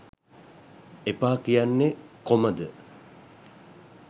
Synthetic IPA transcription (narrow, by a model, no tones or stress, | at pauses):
epaːkijanːekoməd̪ə